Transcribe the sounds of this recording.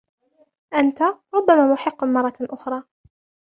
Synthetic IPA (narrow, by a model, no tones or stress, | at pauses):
ʔant̪aɾˤʊbːamaːmʊħɪqːmɑrˤːɑʔʊxɾˤɑː